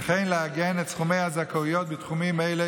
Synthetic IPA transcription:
χenleaɡenetsχumejhazakaujot̪̚bet̪χumimejle

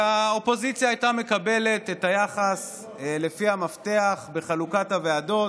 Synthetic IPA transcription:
ao̞po̞zit͡sjaːjtame̞kabe̞le̞tetajaχas | lefiamafte̞aχbe̞χalukathaveado̞

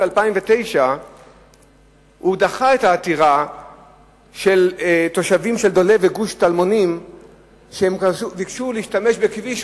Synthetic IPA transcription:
alpaimvet̪e̞jʃa | hud̪aχaetaːt̪iʁa | ʃe̞lt̪o̞ʃavimʃeld̪o̞le̞veɡuʃt̪almo̞nim | ʃehemuvikʃuleiʃtame̞ʃbekviʃ

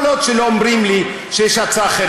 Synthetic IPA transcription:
lotʃelo̞omɾimli | ʃejeʃat͡saːχe

